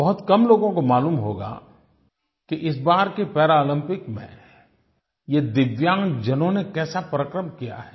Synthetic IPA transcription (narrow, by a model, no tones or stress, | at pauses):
bɐɦʊt̪kɐmloːɡõkomaːluːmɦo̰ːɡa̰ | kiʔɪs̬baːɾkepɛːɾaːlə̃mpɪkmḛ̃ | jed̪ɪʋjãːŋɡd͡ʒɐnõnekɛːsapɾəkɾəmkija̰ɦɛː